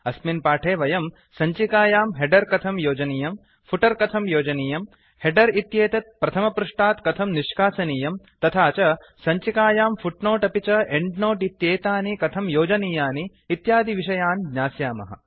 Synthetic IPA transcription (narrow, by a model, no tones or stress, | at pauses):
ɐsminpaːʈʰeːʋɐjɐm | sɐɲt͡ʃikaːjaːmɦeɖɐɾkɐt̪ʰɐmjoːd͡ʒɐniːjɐm | fʰuʈɐɾkɐt̪ʰɐmjoːd͡ʒɐniːjɐm | heɖɐɾit̪jeːt̪ɐt̪̚pɾɐt̪ʰɐmɐpɾuʂʈaːt̪kɐt̪ʰɐmniʃkaːsɐniːjɐm | t̪ɐt̪ʰaːt͡ʃɐ | sɐɲt͡ʃikaːjaːmfuʈnoːʈɐpit͡ʃɐeɳɖnoːʈit̪jeːt̪aːnikɐt̪ʰɐmjoːd͡ʒɐniːjaːniː | t̪jaːd̪ʱiʋiʂɐjaːnɡɲaːsjaːmɐ̰ɦɐ̰